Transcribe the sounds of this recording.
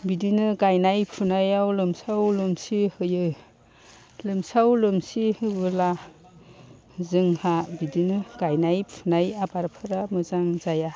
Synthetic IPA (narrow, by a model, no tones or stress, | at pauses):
bidinɯɡajnajpʰunajawlɯmsawlɯmsihɯjɯ | lɯmsawlɯmsihɯbɯla | zɯŋhabidinɯɡ̥ajnajpʰunajabaɾpʰɯɾamɯzaŋzaja